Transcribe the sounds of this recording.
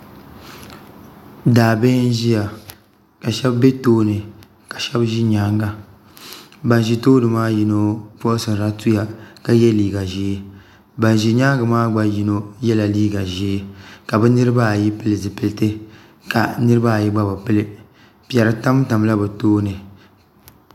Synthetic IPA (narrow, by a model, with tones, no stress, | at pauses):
daː˨bɛ˦n˦ʒi˦ja˨ | ka˨ʃɛ˦bbɛ˦toː˦nɨ˨ | ka˨ʃɛ˦bʒi˦ɲaː˦ŋɡa˦ | ba˨n˨ʒi˨toː˦nɨ˨maː˦ji˦no˦pɔ˦ʔsɨ˨n˨ɾa˦tu˦ja˨ka˨jɛ˦liː˦ɡa˨ʒiː˨˦ | ba˨n˨ʒi˨ɲaː˦ɡa˨maː˦ɡ͡ba˦ji˦no˦jɛ˦la˨liː˦ɡa˨ʒi˦ka˨bɛ˦nɨ˦ɾɨ˦ba˦˨ji˦pɨ˦lɨ˨zɨ˨pɨ˨ltɨ˦ | ka̰˨nɨ˦ɾɨ˦ba˦˨ji˦ɡ͡ba˦ba˨pɨ˦lɨ˦ | pi˨ɛ˨ɾɨ˨ta˦m˦ta˨m˦la˦bɛ˨toː˦nɨ˨